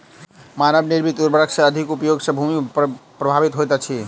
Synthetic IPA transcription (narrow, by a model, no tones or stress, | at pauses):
manəbniɾbit̪d̪uɾbəɾəkʰsẽəd̪ʱikupəjoɡsə̃bʱumipɾəbʱabit̪ɦojt̪at͡ʃʰi